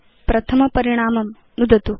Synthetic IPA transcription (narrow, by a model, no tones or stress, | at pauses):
pɾɐt̪ʰɐmɐpɐɾiɳ̃aːmɐm | nud̪ɐt̪u